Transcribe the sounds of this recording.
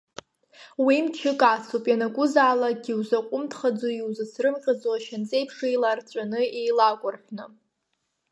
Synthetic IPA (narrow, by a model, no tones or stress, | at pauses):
wimt͡ʃʰɪkʼat͡sʰopʼjanakʷʼʊzaːlaɡʲiwzaqʷʼʊmtʰʼχad͡zoiwzɨsʰrɨmqʲʼad͡zoaʃant͡sʼe̞jpʰʂejlart͡ɕʷʼanɨejlakʷʼʊrħʷᶣnɨ